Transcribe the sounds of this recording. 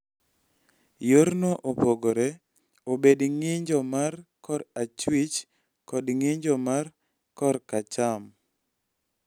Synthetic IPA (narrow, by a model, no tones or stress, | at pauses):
joɾnoʔopoɡoɾɛ | obedŋɪɲd͡ʒɔmarkɔɾat͡ʃwit͡ʃ | kɔdŋɪɲd͡ʒɔmar | kɔɾkat͡ʃam